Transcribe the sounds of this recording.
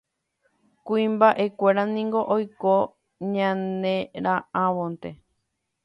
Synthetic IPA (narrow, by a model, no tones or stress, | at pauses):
kuĩmbaʔe̞kʷeɾanĩŋɡo̞ʔojko | ɲãnẽ̞ɾããʋõnt̪e̞